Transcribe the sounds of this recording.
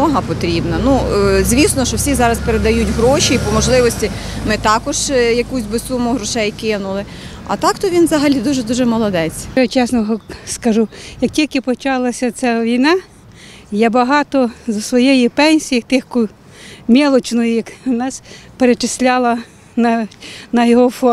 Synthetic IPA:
ɔɦɐpɔt̪ɾʲibnɐnuzʲʋʲisnɔʃɔwsʲizɑɾɐspeɾed̪ɐjutʲɦɾɔʃiipɔmɔʒlˠɪʋɔsʲtʲimɪt̪ɑkɔʒjɐkusʲbɪsumʊɦɾɔʃɛjkɪnʊlˠɪ | ɐ̰t̪ɑkt̪ɔʋʲinzɐɦɐlʲid̪uʒɛd̪uʒɛmɔlˠɔd̪ɛt͡sʲjat͡ʃɛsnɔɦɔskɐʒujɐk̚tʲilʲkɪpɔt͡ʃɑlˠɐsʲɐt͡s̪ʲɛʋʲijnɑ | jabɐɦɑt̪ɔzɔsʋɔjɛjipɛnʲsʲijit̪ɪxkʊ | mʲɛlˠɔt͡ʃnɔjʊjɐknɑspeɾet͡ʃɪsʲlʲalˠɐ | nɐnɐjɔɦɔfɔ

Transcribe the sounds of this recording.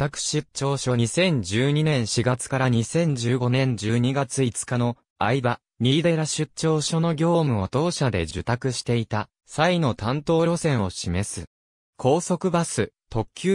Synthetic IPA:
t̪akɯ̟̥ɕɨt͡ɕːo̞ːɕo̞ɲisẽ̞ɲ̟d͡ʑɨːɲ̟inẽ̞ɰ̃ɕiɡat͡sɨ̥kaɾaɲ̟isẽ̞ɲ̟d͡ʑɨːɡo̞nẽ̞ɲ̟d͡ʑɨːɲ̟iɡat͡sɨit͡sɨ̥kano̞ | aiba | ɲʲid̪e̞ɾaɕɨtɕo̞ːɕo̞no̞ɡʲo̞ːmɯ̟o̞t̪o̞ːɕad̪e̞̰d͡ʑɨt̪akɯ̟ɕi̥t̪e̞it̪a | saino̞t̪ãnt̪o̞ːɾʲo̞sẽ̞ɰ̃o̞ɕime̞sɨ | kʰo̞ːso̞kɯ̟basɨ | t̪o̞kʲːɨ

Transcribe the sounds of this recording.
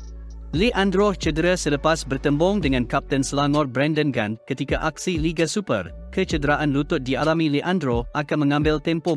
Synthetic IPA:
liʔãndɾot͡ʃədəɾasələpasbərt̪əmbɔŋdəŋãnkap̚t̪ənsəlaŋɔrbɾɛ̃ndənɡã̰ndkət̪ikaʔak̚siliɡasupə̰r | kət͡ʃədəɾaʔanlut̪ʊt̪̚dialamĩliʔãndɾoʔakanmə̃ŋãmbɪlt̪ɛmpɔ

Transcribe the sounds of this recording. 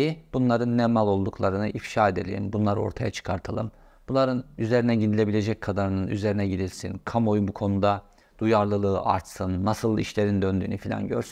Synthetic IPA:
ib̥unlˠaɾɯnːɛmalʲˠo̞lˠd̪ukʰlˠaɾɯnɯʔifʃaːe̞d̪e̞lʲḛḭmbunlˠaɾo̞̰ɾt̪ʰajat͡ʃʰɯ̥kʰaɾt̪ʰalˠɯm | b̥unˠaɾɯnyze̞ɾinɛɟinilʲe̞bilʲe̞d͡ʒɛc̚kʰad̪aɾɯnɯny̰ze̞ɾinɛɟid̪ilʲsḭnkʰamo̞jubukʰo̞nud̪a | d̪̥ujaɾlˠɯlˠɯːʔa̰ɾt̪sɯnːasɯlˠḭʃlʲe̞ɾind̪ønd̪y̰ːnyfilʲa̰nɟø̰ɾsyn

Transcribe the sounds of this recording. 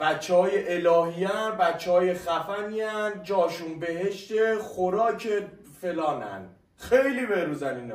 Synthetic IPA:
b̥æt͡ʃːehɒːjeʔelɒːɦiːjænbæt͡ʃːehɒːjexæfæniænd͡ʒɒːʃunbeɦeʃt̪exoɾɒːcʰe | fe̞lɒːnæ̰n | xejliːbeɾuːzæniːn

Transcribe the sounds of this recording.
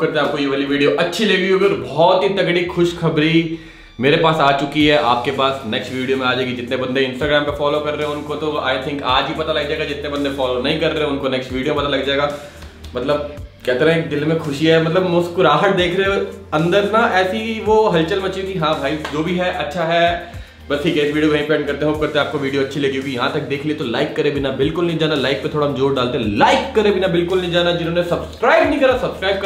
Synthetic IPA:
kɐɾt̪ẽaːp̚kojuʋəːliʋiːɖijoʔɐtːʃʰileːʋioːkɔɾbɔɔːt̪ɦit̪ɐkɽixʊʃxɐbɾi | meːɾepaːsaːt͡ʃʊkiɦɛʔaːp̚kepaːsnɛːksʈʋiːɖiomẽaːd͡ʒaeɡid͡ʒɪt̪nẽbɐ̃nd̪eɪ̃nsʈaːɡɾaːmpefɔːlokɐɾːeɦẽʊnkot̪oa̰ːɪt̪ʰɪ̃ŋkaːd͡ʒipɐt̪alɐɡd͡ʒaːeːɡad͡ʒɪt̪nẽbɐ̃nd̪efɔːlonɐɦĩkɐɾːeɦẽʊnkonɛːksʈʋiːɖijopɐt̪alɐɡd͡ʒaːeɡaː | mɐt̪ləb̚kɛːt̪eɾãeːk̚d̪ɪlmẽxʊʃiɦɛmɐt̪ləbmʊskʊɾaːɦəʈ̪̚d̪eːkʰɾeɐ̃nd̪əɾnaɛːsiʋoɦɐlt͡ʃəlbɐt͡ʃikiɦãːbʱaːid͡ʒoːbʱiɦɛʔɐtːʃʰaɦɛ | bɐsʈʰiːkɛɪsʋiːɖijobʱɐĩpɛ̃ːɳɖ̚kɐɾt̪ẽɦoːp̚kɐɾt̪ẽẽaːp̚koʋiːɖijoɐtːʃʰileːɡiɡijɐɦãt̪ɐk̚d̪eːkʰliet̪olaːɪkːɐɾebʱɪnabɪlkʊlnɐ̃ĩd͡ʒaːnalaːɪk̚pet̪ʰoːɽaɦmd͡ʒoːɾɖaːlt̪eɦɛ̃laːɪkːɐɾebinabɪlkʊlnɐɦĩd͡ʒaːnad͡ʒɪnɦõːnesɐbskɾaːɪbnɐɦĩkɐɾasɐbskɾaːɪb̚k

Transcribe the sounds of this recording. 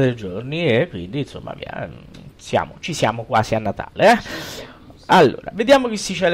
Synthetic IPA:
d̪eld͡ʒorniekːwḭnd̪inso̰mːa̰vḭa̰sja̰ːmot͡ʃisja̰ːmokwa̰ːzianːat̪ʰa̰ːleɛ | alːo̰ːɾa̰ved̪jaːmok̟esːit͡ʃːɛl

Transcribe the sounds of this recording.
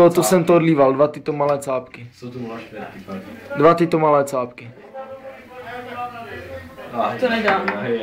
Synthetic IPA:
tot̪osɛmt̪oodliːvald̪vat̪ɪt̪omalɛːt͡saːpkɪ | dvat̪ɪt̪omalɛːt͡saːpkɪ | t̪onɛdaːm

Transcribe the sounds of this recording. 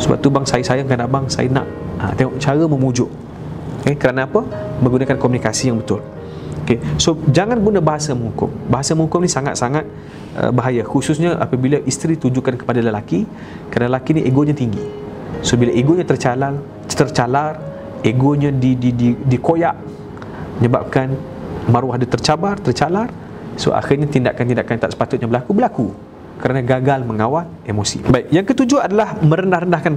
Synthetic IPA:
səba̰p̚t̪ubaŋsajisajaŋkanabaŋsa̰jəna̰ʔə̰t̪eŋɔʔt͡ʃaɾəməmud͡ʒʊʔ | ekəɾanaːpəmə̃ŋɡunakankomunikasijaŋbət̪ʊl | okesod͡ʒaŋanɡunabaɦasamə̃ŋɦukʊ̰mbaɦasamə̃ŋukʊmnisaŋa̰t̪̚saŋat̪̚ | ə̰baɦajaxusʊsɲaʔa̰pabilaʔist̪ɾit̪ud͡ʒuʔkankə̥padaləlaki | kəɾanaləlakiniʔeɡoɲat̪iŋɡi | sobilaʔeɡoɲãt̪ərt͡ʃalal | t̪ərt͡ʃalar | eɡoɲãdidididikojaʔ | əɲəba̰p̚kan | maɾwahdat̪ərt͡ʃabart̪ərt͡ʃalar | so̰a̰xɪrɲat̪inda̰ʔkant̪indaʔkant̪aʔsə̥pat̪ʊt̪̚ɲabəlakubəlaku | kəɾanãɡaɡalməŋawalʔemosḭbaik̚jaŋkət̪ud͡ʒuaadalahmə̃ɾəndahrəndahkan

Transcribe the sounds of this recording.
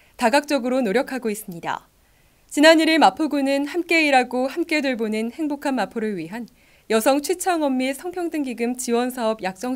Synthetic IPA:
taɡak̚t͡ɕ͈ʌɡɯɾonoɾjʌkʰaɡois͈ɯmɲida̰ | t͡ɕinaniɾiɭmapʰoɡunɯnhamk͈e̞iɾaɡohamk͈e̞dweɭbonɯnhe̞ŋbokʰanmapʰoɾɯɭɥiɦan | jʌsʰʌŋt͡ɕʰɥit͡ɕʰʌŋʌmːisʰʌŋpʰjʌŋdɯŋɡiɡɯmt͡ɕiwʌnsʰaʌbjak̚t͡ɕ͈ʌŋ

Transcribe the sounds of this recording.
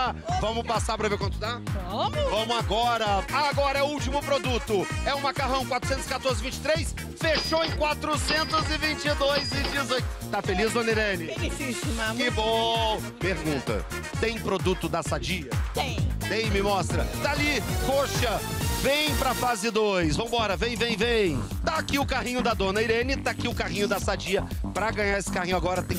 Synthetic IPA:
vɐ̃mʊpasaɾpɾɐveɾkwɐ̃nt̪ʊd̪aobʊvɐ̃mʊaɡɔɾɐaɡɔɾɐɛʊuwt͡ʃimʊpɾod̪ut̪ʊɛʊ̃makaɦɐ̃w̃kwat̪ɾʊsẽnt̪ʊzɪ̥kat̪oɾzɪvĩt͡ʃɪ̥t̪ɾejs | feʃowẽj̃kwat̪ɾʊsẽnt̪ʊzɪvĩt͡ʃɪd̪ojzid͡ʒizojt̪afelizd̪õnelẽnɪsikɪbõ | peɾɡũt̪ɐ̰ | t̪ẽj̃pɾod̪ut̪ʊd̪ɐsad͡ʒiɐẽt̪ẽj̃mɪmɔst̪ɾɐt̪alikoʃɐvẽj̃pɾɐfazɪd̪ojsvɐ̃w̃bɔɾɐvẽj̃vẽj̃vẽj̃ | t̪aakiʊkaɦĩɲʊd̪ɐd̪õnɐiɾẽnɪt̪aakiʊkaɦĩɲʊd̪ɐsad͡ʒiɐpɾɐɡɐ̃ɲaɾesɪ̥kahĩɲʊaɡɔɾɐt̪ẽj̃

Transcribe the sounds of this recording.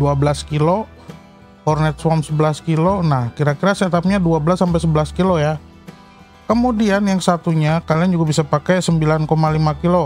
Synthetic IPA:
duabəlaskilo | hɔrnɛt̪̚swɔmsəbəlaskilonahkiɾakiɾasit̪ap̚ɲaduabəlasːampɛjsəbəlaskiloja | kəmudianjaŋsat̪uɲakaliand͡ʒuɡabisapakajsəmbilankomalimakilo

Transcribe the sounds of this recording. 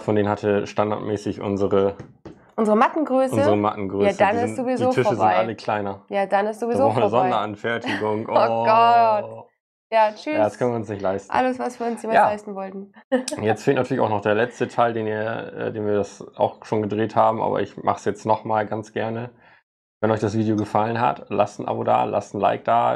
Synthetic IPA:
fɔndeːnənhatʰəʃtanda̰ɐtmɛːsɪçʔʊ̰nzəʁə | ʔʊnzəʁəmatn̩ɡʁøːsʊəzəʁəma̰tn̩ɡʁøaːaədanɪszovizdioːfʰɪfɐʃəzbɪantɪʔaləkʰl̥aɪnɐjaːdanɪstz̥oviazoːfnzɔndɐʔanfɛɐtɪɡʊŋʔoɡɔ | jaːt͡ʃyjaːdaskʰœnviːʊnsnɪçtlaɪstʔa̰ləsv̥asv̥iːɐʊnjeːmajaːlaɪstn̩vɔltn̩jɛt͡stfeːltnatʰyɐlɪçaʊxnɔχd̥eːɐlɛt͡stətʰaɪldeːniːɐʔɛ̰ːdeːnviːɐdasa̰ʊxʃoːnɡədʁeːthaːbm̩ʔa̰ːbɐ̰ʔɪ̰çmʔa̰χsjɛt͡stnɔχmaːlɡant͡sɡ̥ɛɐnə | vɛnɔʏçd̥asv̥iːdijoɡəfalənɦa̰tla̰stn̩ʔa̰boda̰ːlʔa̰stn̩la̰ɪk̚d̥aː

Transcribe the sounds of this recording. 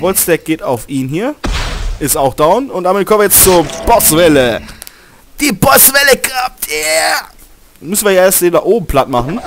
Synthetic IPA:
vɔlsd̥ɛk̚ɡ̥eːtaʊfʔiːnɦiːɐɪstaʊxd̥aʊnʊntd̥aːmɪt̚kɔmvʲiɪjɛt͡st͡suɐb̥ɔsvɛlə | d̥iːbɔsvɛləkap̚tʰje | mʏsn̩viːɐjaɐʔeːɐstz̥eːndaːχʔoːbm̩pʰl̥atmaχn̩

